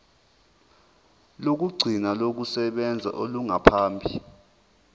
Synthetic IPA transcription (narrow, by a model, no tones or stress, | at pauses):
lok̬uɡ͡ǀʱinalok̬usɛɓɛnd͡zʱa̰ʔoluŋapʰaːmbʱi